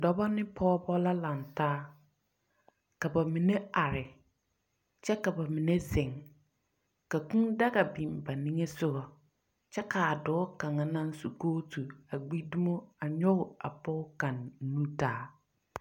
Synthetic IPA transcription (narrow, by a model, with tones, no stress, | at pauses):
dɔ˨bɔ˦nɪ̃˦pʰɔː˦bɔ˦la˦la˨ntaː˦ | ka˨ba˨mi˨ne˦a˨ɾɪ˨ | t͡ʃɛ˦ka˨ba˨mĩ˨ne˦zɪ̃˨ŋ | ka˨kũ˦da˦ɡa˨bĩ˨mba˨nĩ˦ŋe˦sʊ˦ɡɔ˨ | t͡ʃɛ˦kaː˨dɔː˨˦kã˨ŋa˨nã˦n˦su˨koː˦tu˨a˨ɡ͡bi˦dʊ˦mɔ˦a˨ɲɔ˦ɣʊ˨a̰˨pɔː˦kã˨nː˦ũ˦taː˦